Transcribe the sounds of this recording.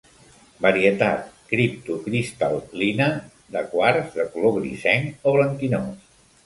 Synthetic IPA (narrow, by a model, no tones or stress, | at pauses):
bəɾiət̪at̪kɾip̚t̪ukɾist̪alˠːinə | d̪əkwaɾzðəkuloɣɾḭsɛŋoβləŋk̪inos